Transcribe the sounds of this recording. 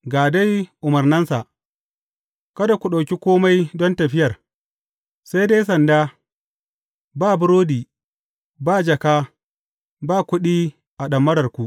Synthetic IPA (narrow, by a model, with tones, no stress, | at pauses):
ɡaː˨da˦jʔʊ˨mɐ˨rnɐ˦nsa˨ʔ | kɐ˦da˨kʷu˨ɗa˨wkʲi˦kʷoː˦ma˦jdɔ˦ntɐ˨ɸɪ˦jɐ˨r | sa˦jda˦jsɐ˨ndaː˦ | baː˦˨bʊ˦ɾoː˦diː˨ | baː˦˨d͡ʒɐ˨kaː˦ | baː˦˨kʷʊ˦ɗiː˦ | ʔa˨ɗɐ˨mːɐ˦ɽɐ˨rkʷu˨ʔ